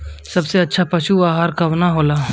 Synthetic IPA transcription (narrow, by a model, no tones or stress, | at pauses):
sɐbseɐtːʃʰapɐʃuaːɦaɾkɐʋnaɦoːlaː